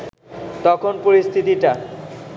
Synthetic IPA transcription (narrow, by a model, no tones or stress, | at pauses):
t̪ɔkʰonpoɾist̪ʰit̪iʈa